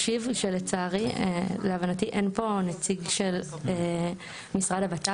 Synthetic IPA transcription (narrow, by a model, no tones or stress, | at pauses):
ʃivʃelet͡saʁieleavanatiʔenpo̞net͡siɡʃel | misʁadabat̪a